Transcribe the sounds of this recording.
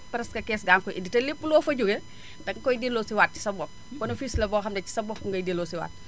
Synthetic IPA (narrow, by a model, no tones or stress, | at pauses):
pɾɛskɐkɛːsɡaːŋkɔʔḭnditɐlipːulɔːfɐɟuɡe | dɐkkɔjdilːɔːsiwaːt̚ci̥sɐbɔk̚kɔnɐfislɐbɔxɐmdɐci̥sɐbɔkkuŋɡɐjdiloːsiwa̰ːt̚